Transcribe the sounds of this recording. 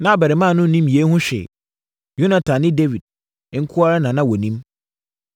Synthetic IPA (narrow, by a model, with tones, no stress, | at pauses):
nã˦˨bɛ˨ɾɪ˨mã˦˨nʊ̃˦n̩˨nĩ˦mje˦hʊ̃˦ɕᶣɛ̰˨ | jo˦nã˨tʰã˨nɪ̃˦de˦vi˨d̚ | ŋ̩˦kʰʊ˦a˦ɾa˦nã˨nã˦wɔ˨nĩ˦m